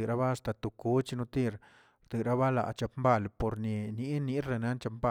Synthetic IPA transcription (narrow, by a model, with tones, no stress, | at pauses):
ɨ˨ɾa˦ba˦˧st̪a˧t̪u˨ku˦t͡ʃi˧nu˧t̪i˦˧ɾ | d̪i˨ɾa˦βa˦la̰˨t͡ʃa˧pmba˦˧˨lpo˨ɾni˧ni˦ni˦ɾe˧na˦nt͡ʃa˧pmba˦˨